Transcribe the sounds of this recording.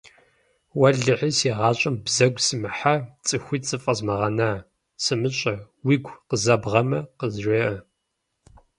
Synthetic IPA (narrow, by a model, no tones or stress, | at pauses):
wɐɮɨħisiʁɑːɕʼɐmbzɐɡʷsɨmɨħat͡sʼɨxʷiːt͡sʼɨfʼɐzmɐʁɐnaː | sɨmɨɕʼɐ | wiːɡʷqəzɐbʁɐmɐqəzʒʷeːʔɐ